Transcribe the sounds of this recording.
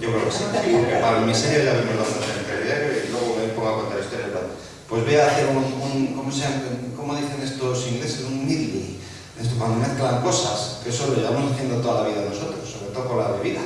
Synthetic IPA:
ɟ͡ʝo̞kɾeokesiepamiseɾjoʝaβemozlasosent̪ɾeiakeoilwe̞ɣ̞oβeŋpoŋɡakwent̪alist̪oɾjaβɾa | pwe̞zβe̞akiaununkomoseaŋko̞moðiθenest̪osiŋɡlesesuŋmiðli | d̪est̪okwand̪omeθklaŋko̞saskeesolojeβamo̞saθje̞nd̪ot̪o̞ðalaβ̞iðaðeno̞so̞t̪ɾosːo̞βɾe̞t̪o̞ðokonlaβe̞βiða

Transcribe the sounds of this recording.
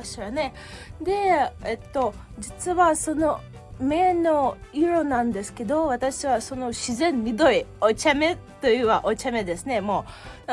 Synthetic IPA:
ɕane̞ | d̪e̞et̪ːo̞ | d͡ʑit͡sɨβaso̞no̞ | me̞ːno̞iɾo̞nãnd̪e̞sɨ̥ke̞d̪o̞βat̪aɕiβaso̞no̞ɕizẽ̞mːʲid̪o̞iot͡ɕame̞t̪ojɯβaʔot͡ɕame̞d̪e̞sɨne̞mo̞ː

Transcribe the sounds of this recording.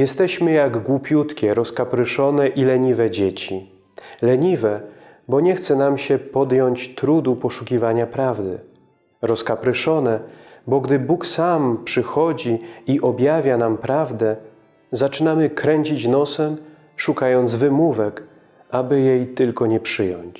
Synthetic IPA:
jɛst̪ɛɕmɘjaɡɡwupʲjut̪kʲɛɾɔskapɾɘʂɔnɛʔilɛɲivɛd͡ʑet͡ɕi | lɛɲivɛ | bɔɲɛxt̪sɛnamɕɛpɔd̪jɔɲt͡ɕt̪ɾud̪upɔʂukʲivaɲapɾavd̪ɘ̰ | ɾɔskapɾɘʂɔnɛbɔɡd̪ɘbuksampʂɘxɔd͡ʑiiʔɔbʲjavʲjanampɾavd̪ɛ | zat͡ʂɘnamɘkɾɛɲt͡ɕit͡ɕnɔsɛm | ʂukajɔnd̪zvɘmuvɛk | ʔabɘjejt̪ɘlkɔɲɛpʂɘjɔ̰ɲt͡ɕ

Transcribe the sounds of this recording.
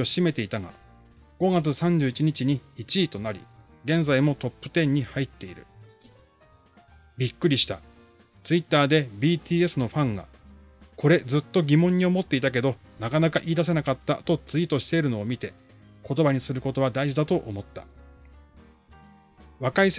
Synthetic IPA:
oɕime̞t̪e̞it̪aŋa̰ | ɡ̥o̞ɡat͡sɨsãɲ̟d͡ʑɨːit͡ɕiɲ̟it͡ɕiɲ̟iit͡ɕiːt̪o̞naɾʲḭ | ɡẽ̞nd͡zaimo̞t̪o̞pːɯ̟̥t̪ẽ̞ɲ̟ːihait̪ːe̞iɾɯ̟̰ | bʲikːɯ̟ɾʲiɕi̥t̪a̰ | t͡sɨit̪ːaːd̪e̞bʲiːt̪ʰʲiːe̞sɨno̞ɸãŋɡa̰ | ko̞ɾe̞d͡zɨt̪ːo̞ɡʲimõ̞ɲ̟ːiomo̞t̪ːe̞it̪ake̞d̪o̞ | nakanakaʔiːd̪as̬e̞nakat̪ːa̰t̪o̞t͡sɨit̪o̞ɕi̥t̪e̞ɾɯ̟no̞ːmʲit̪e̞ | ko̞t̪o̞baɲ̟isɨɾɯ̟ko̞t̪o̞βad̪aiʑid̪at̪o̞ʔomo̞t̪ːa̰ | βakais

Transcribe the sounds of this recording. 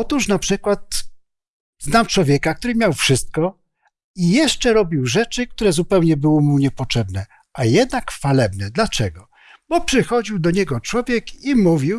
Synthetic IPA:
ɔt̪uʂnapʂɘkwat̪ | znamt͡ʂwɔvʲjɛkakt̪uɾɘmʲjawfʂɘst̪̚kɔ | ijɛʂt͡ʂɛɾɔbʲiwʐɛt͡ʂɘk̚t̪uɾɛzupɛwɲɛbɘwɔmuɲɛpɔtt͡ʂɛbnɛ | ʔajɛd̪nakfalɛbnɛd̪lat͡ʂɛɡɔ | bɔpʂɘxɔd͡ʑiwd̪ɔɲɛɡɔt͡ʂwɔvʲjɛkimuvʲiw

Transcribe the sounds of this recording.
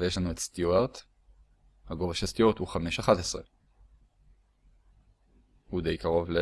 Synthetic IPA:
ejeʃlanuetst̪juaʁt̪ | haɡo̞vaʃest̪ijot̪huχameʃaχat̪esʁe | hud̪e̞jkaʁo̞vle

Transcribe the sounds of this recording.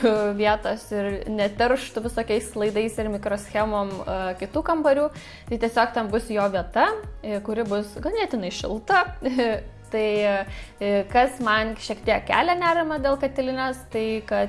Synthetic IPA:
ʋʲiɛt̪oːsɪɾnʲɛt̪ʲɛɾʃt̪ʊʋʲɪsoːkʲɛɪslˠɐɪd̪ɐɪsɪɾmʲɪkɾoːsʲxʲæmoːmkʲɪt̪uːkɐmpɐɾʲuː | t̪ɐɪt̪ʲiɛsʲoːkt̪ʲɛnbʊsjoːʋʲiɛt̪ɐkʊɾʲɪbʊsɡɐlˠnʲɛt̪ʲɪnɐɪʃʲɪ̰lˠt̪ɐ | t̪ɐɪ | kɐsmɐnʃʲiɛkt̪ʲiɛkkʲæ̰ːlʲænʲæːɾʲɪmɐd̪ʲeːlˠkɐt̪ʲɪlʲɪnʲoːst̪ɐɪkɐt

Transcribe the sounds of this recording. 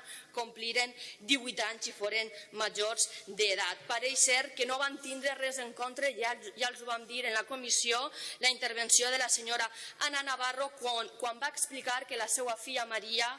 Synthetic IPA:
kompliɾend̪iβujt̪aɲzifoɾenmaʒoɾzd̪eðat̪̚paɾejsɛɾkenoβamt̪ind̪ɾerɛzeŋkont̪ɾeʒalˠzuβamd̪iɾenlakomisiolaint̪əɾβ̞ensioð̞əlaseɲoɾaananaβarokkwambaeksplikaɾkelasɛwafiʎamaɾia

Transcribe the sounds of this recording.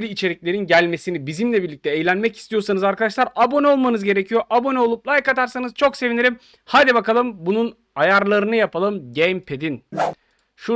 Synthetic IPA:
ɾiːt͡ʃʰe̞ɾiclʲe̞ɾinɟælʲme̞sinibizimlʲɛbiɾlʲic̚t̪ʰɛeːjlʲænmɛci̥st̪ʰijo̞ɾsanɯzaɾkad̪aʃ̬lˠaɾabo̞nɛo̞lˠmanɯzɟe̞ɾe̞cʰijo̞ʔabo̞nɛo̞lˠuplˠajkat̪ʰaɾsanɯz̥t͡ʃʰo̞kse̞vineɾʲim | had̪ibakalˠɯmbunun | ajaɾlˠaɾɯnɯjapʰalˠɯmɟɛmpʰed̪in | ʃu

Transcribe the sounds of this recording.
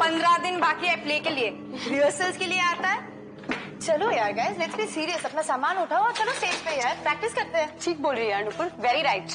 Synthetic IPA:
pɐ̃nd̪ɾad̪ɪnbaːkiɛːpleːkelie | ɾɪʋəsəlzkelieaːt̪aɦɛː | t͡ʃɐlojaːɾɡaːɪzlɛʈsbisiːɾiəsɐpnasaːmaːnʊʈʰaːoat͡ʃɐloseːd͡ʒpejapɾɛk̚ʈɪskɐɾt̪ẽɦɛ̃ːʈʰiːk̚boːlɾiɐnʊpʊɾʋɛɾiɾaɪʈ

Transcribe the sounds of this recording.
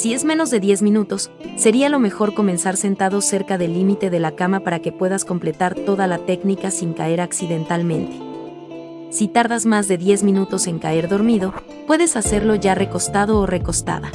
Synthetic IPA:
sie̞zmẽ̞no̞zðe̞ðje̞zmĩnut̪o̞sː | e̞ɾialo̞me̞xo̞ɾko̞me̞nsaɾse̞nt̪aðo̞se̞ɾkaðe̞lːimit̪e̞ðe̞lakamapaɾake̞pwe̞ð̞asko̞mple̞t̪aɾt̪o̞ðalat̪e̞knikasiŋkae̞ɾaksiðe̞nt̪almẽ̞nt̪e̞̥ | sit̪aɾðazmazðe̞ðje̞zmĩnut̪o̞se̞ŋkae̞ɾðo̞ɾmiðo̞ | pwe̞ðe̞sase̞ɾloʝare̞ko̞st̪að̞o̞ːre̞ko̞st̪a̰ða

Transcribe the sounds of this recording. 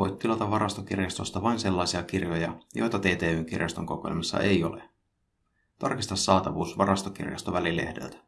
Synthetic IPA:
ojt̪t̪ːilɑt̪ɑʋʋɑɾʔɑst̪ok̟irjɑst̪o̞st̪ɑʋɑinse̞lːɑjsiɑk̟irjojɑjo̞̰jt̪ɑt̪eːt̪eːyːŋk̟ḭrjɑst̪o̞ŋko̞ko̰lʲmɑsːɑ̰ʔe̞jo̞̰le | t̪ɑrkist̪ɑsːɑːt̪ɑʋuːsʋɑɾɑst̪okḭrjɑ̰st̪oʋælile̞̰hde̞̰lt̪æ̥

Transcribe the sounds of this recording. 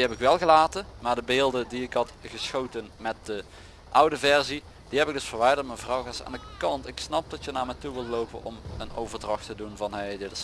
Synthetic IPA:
diɦɛpɪkʋɛlˠɣəlaːtənmaːɹdəbeːlˠdədiɪkɦɑtɣəsxowtənmɛt̚də | ʔʌwdəvɛɹzi | d̥iɦɛpɪɡ̚dɵsfəɹʋɛjdəɹtmənvrɑwɣəsa̰ːndəkɑntɪksnɑp̚dɑtjənaːɹmɛjtuʋɪlˠtlowpə̰nɔ̰mənowvəɹdrɑxtədunvɑnɦejdɪtɪs

